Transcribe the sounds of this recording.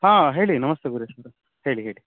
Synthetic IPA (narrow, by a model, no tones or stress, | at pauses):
ɦãːɦeːɭinɐmɐst̪ʰeɡuɾesɐɾ | heːɭiɦeːɭi